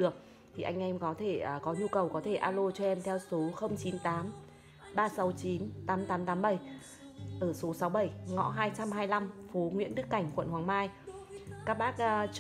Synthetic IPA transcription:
ɨ˨˩ək̚ | t̪ʰi˨˩ʔa˧jŋ̟ʔɛ˧mkɔ˨˦t̪ʰe˧˩˨kɔ˨˦ɲu˧kə˨˩wkɔ˨˦t̪ʰe˧˩ʔaː˧lo˧t͡ɕɔ˧ʔɛ˧mt̪ʰɛ˧wso˨˦xə˧wŋ͡mt͡ɕi˨˦nt̪aː˨˦m | ɓaː˧sa˨˦wt͡ɕi˨˦nt̪aː˨˦mt̪aː˨˦mt̪aː˨˦mɓə˧˩j | ʔəː˧˩so˨˦sa˨˦wɓə˧˩jŋɔ̰˧˥ɦaː˧jt͡ɕa˧mɦaː˧jla˧mfo˨˦ŋwḭ˧˥ənɗɨ˦˥əkːa˧˩jŋ̟kwə̰˧˨nhwaː˨˦ŋmaː˧jkaː˦˥k̚ɓaː˦˥k̚ːt͡ɕ

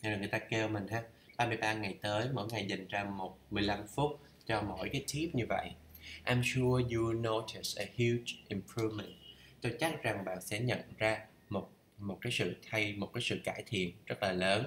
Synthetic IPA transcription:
zo˨˩jŋɨ˨˩ə˩t̪aː˧ke˧wmï˨˩ŋ̟haː˨˧˥ | ɓaː˧mɨ˧˩əjɓaː˧ŋa˨˩jt̪əː˨˦jmo̰˧˥jŋa˨˩jza˨˩jŋ̟zaː˧mo˨˩t̚mɨ˨˩əjla˧mfʊ˦˥t̚ | t͡ɕɔ˧mo̰˧˥jkaː˨˦jt̪ʰi˦˥p̚ɲɨ˧və̰˧˨jʔ | ʔaː˧msu˧əju˧˩no˧tʰi˨˩sə˨˩hju˧t͡ɕʔi˨˩mpʰɹu˧vmə˨˩nt̚ | t̪o˧jt͡ɕa˦˥t̚za˨˩ŋɓa̰ː˧˨nsɛ̰˧˥ɲə̰˧˨nzaː˧ | mo˨˩t̚ | mo˨˩t̚kaː˨˦jsɨ̰˧˨t̪ʰa˧jmo˨˩t̚kaː˨˦sɨ̰˧˨kaː˧˩jt̪ʰḭ˧˨ənz̥ə˦˥t̚laː˨˩ləː˨˦n

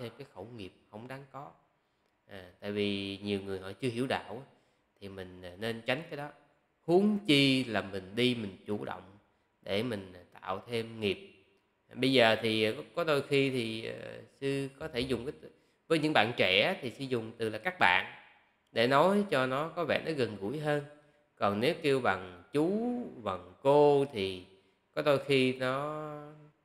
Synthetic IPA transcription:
t̪ʰe˧mkaː˨˦jxə˧˩wŋi˨˩əp̚hə˧˩wŋ͡mɗa˨˦ŋkɔ˨˦ | ʔaː˨˩t̪a̰ː˧˨jvi˨˩ɲi˨˩əwŋɨ˨˩əjɦɔ̰˧˨t͡ɕɨ˧əhi˧˩əwɗa̰ː˧˨wʔa˨˦ | t̪ʰi˨˩mï˨˩ŋ̟˨˩ne˧nt͡ɕa˨˦jŋ̟kaː˨˦jɗɔ˨˦ | hu˨˦əŋt͡ɕi˧laː˨˩mï˨˩ŋ̟ɗi˧mï˨˩ŋ̟t͡ɕu˧˩ɗə̰˧˨wŋ͡m | ɗe˧˩mï˨˩ŋ̟˩t̪a̰ː˧˨wt̪ʰe˧mŋi˨˩əp̚ | ɓə˧jzəː˨˩t̪ʰi˨˩˨kɔ˨˦ɗo˧jxi˧t̪ʰḭ˨˩˨sɨ˧kɔ˨˦t̪ʰe˧˩zʊ˨˩ŋ͡mka˨˦˧ | vəː˨˦jɲɨ̰˧˥ŋɓa̰ː˧˨nt͡ɕɛ˧˩˨t̪ʰi˨˩sɨ˧zʊ˨˩ŋ͡mt̪ɨ˨˩laː˨˩kaː˦˥k̚ɓa̰ː˧˨n | ɗe˧˩nɔ˨˦jt͡ɕɔ˧nɔ˨˦kɔ˨˦vɛ̰˧˨nɔ˨˦ɣə˨˩nɣṵ˧˩əjɦəː˧n | kɔ˨˩nne˨˦wke˧wɓa˨˩ŋt͡ɕu˨˦va˨˩ŋko˧t̪ʰi˨˩ | kɔ˨˦ɗ̪o˧jxi˧nɔ˨˦

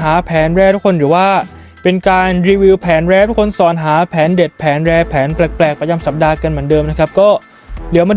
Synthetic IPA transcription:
ɦaː˩˦pʰɛː˩˦nɾɛː˧t̪ʰu˦˥kʰo˧nɾɯː˩˦waː˥˩ | pe˧nkaː˧nɾi˧wiː˧wpʰɛː˩˦nɾɛː˧t̪ʰu˥kʰo˧nsɔː˨˩nɦaː˩˦pʰɛː˩˦nde˨˩t̪̚pʰɛː˩˦nɾɛː˧pʰɛː˩˦nplɛ˨˩k̚plɛː˨˩k̚pɾa˧t͡ɕa˧msa˨˩p̚daː˧ka˧nmɯ˩˦əndɤː˧mna˦˥kʰa˦˥p̚kɔː˥˩ | diː˨˩˦əwmaː˧

